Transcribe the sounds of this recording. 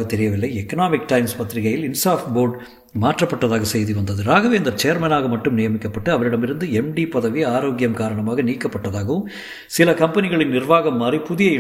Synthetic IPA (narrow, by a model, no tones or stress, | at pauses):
ɣɐt̪ːɛɾɪjɐʋɪlːɐɪɛkːɐnaːmɪk̚ʈɐɪmspɐt̪ːɪɾɪɣɐjɪlɪnsaːfʈboːɾɖ | maːʈrɐpːɐʈːɐðaːɣɐsɛjðiʋɐnd̪ɐðɯɾaːɣɐʋeːnd̪ɐɾt͡ʃejːɐɾmɐnaːɣɐmɐʈːɯmnɪjɐmɪkːɐpːɐʈːɯɐʋɐɾɪɽɐmɪɾɯnd̪ɯɛmɖipɐðɐʋiaːɾoːɡɪjɐmkaːɾɐɳɐmaːɣɐniːkːɐpːɐʈːɐðaːɣɐʋɯm | sɪlɐkɐmpɐnɪɣɐɭɪnːɪɾʋaːɣɐmːaːdripʊðɪjɐɪ